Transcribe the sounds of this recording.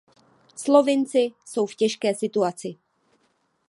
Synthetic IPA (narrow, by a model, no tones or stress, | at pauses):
slo̞vɪnt͡sɪso̞wfcɛʃkɛːsɪt̪uat͡sɪ